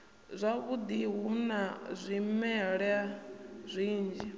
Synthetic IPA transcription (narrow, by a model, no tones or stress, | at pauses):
zʷaβud̪iɦunazʷimɛɺazʷiːnd͡ʒi